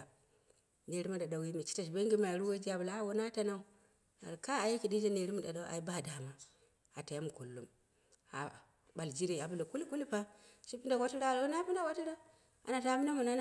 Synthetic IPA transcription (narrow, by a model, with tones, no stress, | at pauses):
ne˨ɾi˦ma˦da˨da˨wi˦mi˨t͡ʃi̥˦ta˨ʃbe˦ŋɡi˦ma˨ɾu˦wa˦d͡ʒi˦a˨bu˨la˨˦wo˦na˦ta˦na˦u˨ | a̰˨ɾka˦a˨ja˦ki˨di˦d͡ʒa˦ne˨ɾi˦mu˦da̰˨da˦ʔa̰˨i˦ba˦˨da˨ma˨ | a˨ta˨ja˦mu˨ko˨lːu˦m | a̰˨ | ba˨ld͡ʒi˦ɾe˨a˨bu˦˨lo˨ku˦li˦ku˦li˦pa˦ʃi˦pi˦nda˨wa˦ti˦ɾa˦˨ɾu˦na˦pi˦nda˨wa˦ti˦ɾa˦ | a̰˨na˨ta˦pi˦na˦mu˨na˦˨